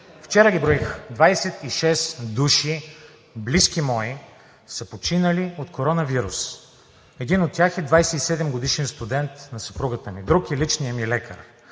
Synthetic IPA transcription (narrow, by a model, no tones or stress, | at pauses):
ft͡ʃɛɾəɡʲibɾɔixd̪vajsɛt̪iʃɛsd̪uʃi | bliskimɔi | səpot͡ʃinəliot̪kʰoɾɔnɐviɾus | ɛd̪inot̪̚ːʲjaxɛd̪vajsɛt̪isɛd̪ɛmɡod̪iʃɛnst̪ud̪ɛnt̪nɐsəpɾuɡət̪əmid̪ɾukɛlit͡ʃnijəmilɛkəɾ